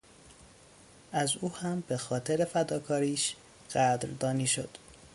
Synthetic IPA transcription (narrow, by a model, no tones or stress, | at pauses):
ʔæzuːhæmbe̞xɒːt̪ʰeɾe̞fæd̪ɒːkʰɒːɾiːʃ | ɢ̥æd̪ɾd̪ɒːniːʃo̞d̪̥